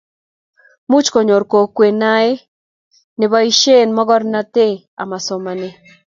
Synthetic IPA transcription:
mu˦t͡ʃko˨ɲo˨ɾko˨kwe˨na˦e˦ | nɪ˨ba˦i˦ʃe˦˨nmɔ˦ɡɔ˦ɾna˦t̪e˦ | a̰˨ma˨sɔ˨ma˨ne˦

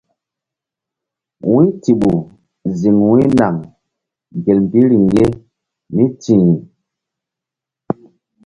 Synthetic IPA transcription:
wi˦ti˨ɓu˨ | zi˨ŋwi˦na˨ŋ | ɡe˨lm˨bi˦ɾi˨ŋje˦ | mi˦ti˨ŋi˨

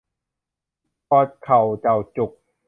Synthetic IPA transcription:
pɔː˧˩t̪̚kʰa˨˩wt͡ɕa˨˩wt͡ɕu˨˩k̚

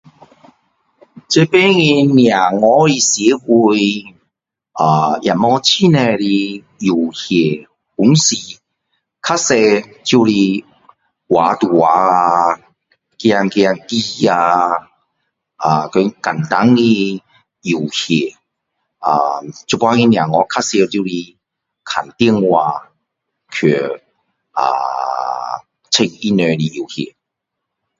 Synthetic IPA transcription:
t͡ɕe˧pe˦ŋi˧nja˨˩ŋɔ˧˦ɾi˧sji˨˦hu˧j | a˨˩ja˨˩mɔ˧˦t͡ɕʰi˦nɛ˧li˧ | ju˨˩hje˨˩ | hu˨˦ŋsi˨˩ | kʰa˦sɛ˧ | t͡ɕju˧li˧ | wa˨˦t̪u˨˩wa˨˦a˧ | kja˧ŋkja˧ŋki˦˧a˧ | a˨˩kə˨˦ka˨˩nt̪a˨˦ŋi˧ | i˨˩whi˨˩˨ | a˧˩t͡ɕu˧pwa˧ŋi˧nja˨˩ŋɔ˨˦kʰa˦˥sɛ˧ti˧li˧ | kʰa˨˩nt̪i˥əŋwaː˧ | kʰø˨˩ | ʔa̰˨˩ | t͡sʰe˧k̚i˧nø˧li˧i˨˩whɛ̰˨˩

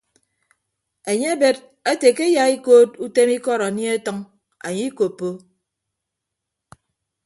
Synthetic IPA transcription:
e˨ɲe˦a˦be˦t | e˦te˨ke˦ja˨i˦koː˦tu˦te˦mi˦kɔ˦˨ɾa˨ni˦e˦tɔ˦ŋ | a̰˨ɲi˦ko˨pːo˦

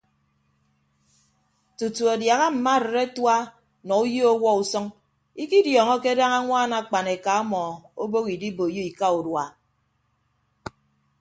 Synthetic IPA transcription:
tu˨tu˨a˨dja˨ɣa˦m̩˨ma˦˨ɾɪ˨ɾe˦twa˦ | nɔ˨u˦ji˦o˦wɔ˦u˨sɔ˦ŋ | i˦ki˦djɔː˨ŋɔ˦ke˦da˦ŋa˦ŋʷaː˦˨na˨k͡pa˨ne˨ka˨ɔ˦mɔ˨o˦bo˦ɣi˨di˦bo˨ji˦i˨ka˦u˨dwa˨

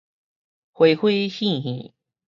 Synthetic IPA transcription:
xwe˨˦ɪxwe˥˧ɕi˥˨ɦḭ˨˦

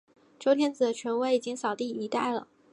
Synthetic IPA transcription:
ʈ͡ʂo˧˥ʊt̪ʰjɛ˥nt͡sɹ̩˨˩d̪ə˦t͡ɕʰɥɛ˧˥nwe˧˥ɪi˨˩t͡ɕi˥ŋsɑ˨˩ʊt̪i˥˩i˧˥t̪a˥˩ɪlə̰˩

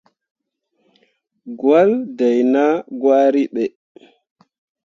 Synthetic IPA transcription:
ɡwa˦lda˨jna˦ɡwaː˦ɾi˦ɓɛ˨

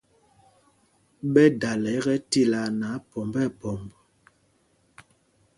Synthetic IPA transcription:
ɓɛ˦da˨lɛ˨˦ɣɛ˦ti˦la˨na˨˦pɔ˨mbɛ˦˨pɔ˨mb

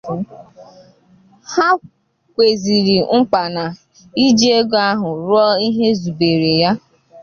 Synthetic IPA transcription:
ha˦ | kʷe˨zi˨ɾi˨ŋ͡m̩˦k͡pa˨na˨ | i˦d͡ʒe˦ɡa˦ɦʊ˨ɾɔ˦i˦ɦe˦zu˨be˨ɾe˨ja˦

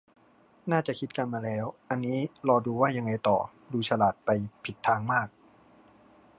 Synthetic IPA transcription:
naː˥˩t͡ɕa˨˩ʔkʰi˦˥t̪̚ka˧nmaː˧lɛː˦˥wʔa˧nːiː˦˥lɔː˧duː˧waː˥˩ja˧ŋːa˧jt̪ɔ̰ː˨˩ | duː˧t͡ɕʰa˧laː˨˩t̪̚pa˧jpʰi˨˩t̪ʰːaː˧ŋmaː˥˩k̚

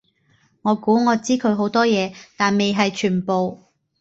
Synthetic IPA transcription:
ŋɔː˨˧kuː˨˥ŋɔː˨˧t͡siː˥kʰɵ˨˧ɥɦo˨˥wt̪ɔː˥jɛː˨˧t̪aː˨nme˨jɦɐ˨jt͡ʃʰyː˨˩npo˨w

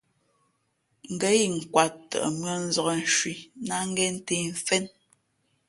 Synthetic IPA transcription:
ŋ̩˨ɡə˦ji˦˨ŋ̩˨kwa˨ttːə̰˨ʔə̰˨mɰə˦n̩˦zɔ˨kɔ˨n̩˨ʃwi˨na˦ŋ̩˦ɡɛ˦n̩˦te˦˨ɱ̩˨fɛ˦n

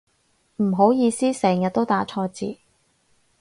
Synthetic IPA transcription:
m̩˨˩ɦo˨˥wjiː˧siː˥sɛː˨˩ŋjɐ˨t̚t̪o˥wt̪aː˨˥t͡ʃʰɔː˧t͡sḭː˨˧

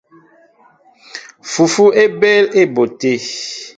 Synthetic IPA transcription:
fu˨fu˦e˦bɛ˦le˦˨bo˨te˦˨

